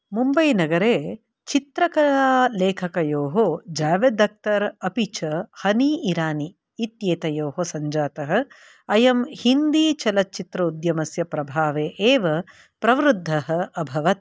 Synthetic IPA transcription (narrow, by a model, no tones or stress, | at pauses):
mumbɐjnɐɡɐɾeː | t͡ʃit̪ɾɐkɐɭaːleːkʰɐkɐjoːɦod͡ʒaːʋed̪ɐk̚t̪ɐɾɐpit͡ʃɐhɐniiɾaːniː | t̪jeːt̪ɐjoːɦosɐɲd͡ʒaːt̪ɐɦɐ̆ | ɐjɐmhind̪iːt͡ʃɐlɐt̚ːt͡ʃit̪ɾɐud̪jɐmɐsjɐpɾɐbʱaːʋeːʔeːʋɐ | pɾɐʋɾud̪ʱːɐɦɐ̆ɐbʱɐʋɐt̪̚